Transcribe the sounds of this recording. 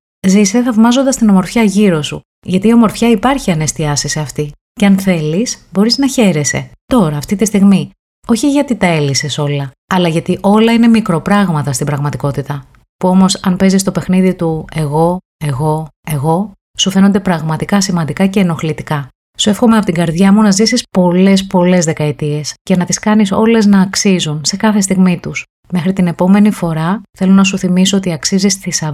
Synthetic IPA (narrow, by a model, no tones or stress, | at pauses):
zise̞θɐvmɐzond̪ɐst̪ino̞mo̞ɾfçɐʝiɾo̞sṵ | ʝɐt̪iːo̞mo̞ɾfçɐipɐɾçiɐne̞st̪iɐsiseɐft̪i | ceɐnθe̞lisbo̞ɾiznɐçe̞ɾe̞se̞̰t̪o̞ɾɐːft̪it̪ist̪iɣmi | o̞çiʝɐt̪it̪ɐe̞lise̞so̞lɐ | ɐlɐʝɐt̪iʔo̞lɐine̞mikɾo̞pɾɐɣmɐt̪ɐst̪ibɾɐɣmɐt̪iko̞t̪it̪ɐ | puo̞mo̞sɐnpe̞zist̪o̞pe̞xniðit̪ue̞ɣo̞ | e̞ɣo̞e̞ɣo̞ | sufe̞no̞nd̪e̞pɾɐɣmɐt̪ikɐsimɐnd̪ikɐce̞ːno̞xlit̪ikɐ | sue̞fxo̞meɐpo̞t̪iŋɡɐɾðʝɐmunɐzisispo̞le̞spo̞le̞zðe̞kɐit̪ie̞scenɐt̪iskɐniso̞̰le̞znɐːksizunse̞kɐθe̞st̪iɣmit̪us | me̞xɾit̪ine̞po̞me̞nifo̞ɾɐθe̞lo̞nɐsuθimiso̞ot̪iɐksizist̪isɐ